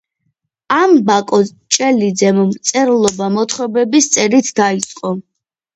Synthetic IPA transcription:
ambakʼɔ | t͡ʃʼɛlid̪zɛmɔmt̪sʼɛɾlˠɔbamɔt̪ʰχwɛbɛbist̪sʼɛɾit̪ʰd̪ait̪sʼqʼɔ

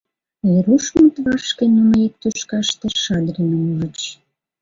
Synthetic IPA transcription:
eɾuʃmət̪βɑʃkenuməek̚t̪øʃkɑʃt̪eʃɑd̪ɾenəmuʒə̆t͡ɕ

